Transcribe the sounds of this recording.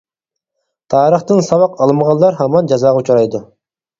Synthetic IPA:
t̪ʰɑːɾəχt̪ɨnsɑwɑqɑlˠmʁɑllːˠɑɾɦɑmɑnd͡ʒɑzɑːʁɑut͡ʃʰɑɾɑjd̪u

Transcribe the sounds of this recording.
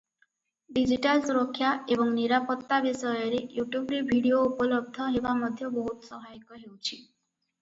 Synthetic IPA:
ɖid͡ʒiʈalsuɾɔkʰːjaebɔŋniɾapɔt̪ːabisɔjɔɾejuʈjubɾebʱiɽioupɔlɔb̚d̪ʱɔɦebamɔd̪ʱjɔbɔɦut̪ɔ̥sɔɦaikɔɦewt͡ʃʰi

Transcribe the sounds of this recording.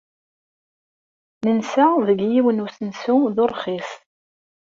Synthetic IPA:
nənsæðəɡjiwənusənsuðʊrˤχis

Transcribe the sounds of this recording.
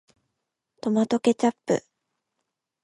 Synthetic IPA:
t̪o̞mat̪o̞ke̞t͡ɕapːɯ̰

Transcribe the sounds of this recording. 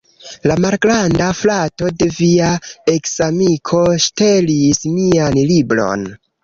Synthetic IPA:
lamalɡɾandaflato̞de̞viaeksamikʰo̞ʃtelismianlibɾo̞̰n

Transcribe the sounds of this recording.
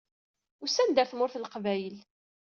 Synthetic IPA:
ʊsænd̪əɾθmʊɾθlqvæjəl

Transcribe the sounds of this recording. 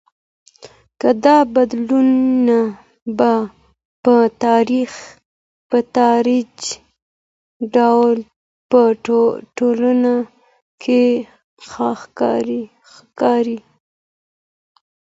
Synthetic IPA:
kad̪ɑbad̪lunːa | ba | pət̪ɑɾix | pət̪ɑɾid͡ʒ | ɖawl | pəʈolana | kʰe | xxɾi | xkɑɾi

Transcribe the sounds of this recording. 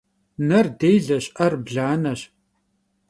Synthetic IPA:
nɐrdejɮɐɕʼʔɐrbɮaːnɐɕ

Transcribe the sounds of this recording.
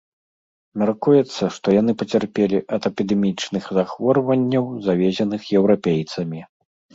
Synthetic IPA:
mʲarkujɛt̪sːɐʂt̪ɔjan̪ɨpɐt͡sʲarpʲelʲiʔɐt̪ɐpʲid̪ɛmʲit͡ʂnɨxzaxvɔrvɐnʲːɐwzavʲɛzʲɛnɨxjɛwɾapʲejt̪sɐmʲi

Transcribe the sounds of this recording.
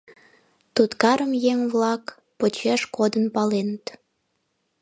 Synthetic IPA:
t̪ut̪kɑɾəmjeŋβlɑk | pot͡ɕeʃkod̪ənpɑlenət̪

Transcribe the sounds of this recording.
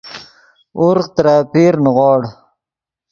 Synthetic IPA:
ʊɾqt̪ɾapiɾnʁwɑːɽ

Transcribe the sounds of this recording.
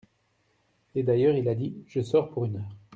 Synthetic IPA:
ed̪ajœːʁilad̪iʒəsɔʁpuʁynœːʁ

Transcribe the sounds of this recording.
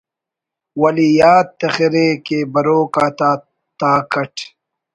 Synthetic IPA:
wɐlijaːt̪ːɐxiɾeːkebɐɾoːkaːt̪aː | t̪aːkɐʈʰ

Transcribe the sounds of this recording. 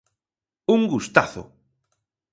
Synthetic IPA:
uŋɡust̪aθo̰

